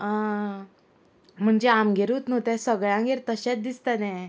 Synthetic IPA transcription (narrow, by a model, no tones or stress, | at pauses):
a | m̤əɳd͡ʑeamɡʱeɾuːt̪not̪ɛsəɡɭãŋɡeɾt̪əɕɛt͡s̚d̪ist̪at̪ɛ̃